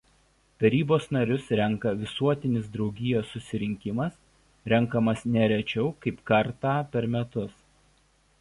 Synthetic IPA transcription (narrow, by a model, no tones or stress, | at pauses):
t̪ɐɾʲiːboːsnɐɾʲʊsɾʲɛŋˑkɐʋʲɪsuɔt̪ʲɪnʲɪsd̪ɾɒʊɡʲɪjoːsːʊsʲɪɾʲɪŋʲkʲɪmɐs | ɾʲɛŋˑkɐmɐsnʲɛɾʲɛt͡ʃʲɛʊkɐɪpkɐɾt̪ɑːpʲɛɾmʲɛt̪ʊs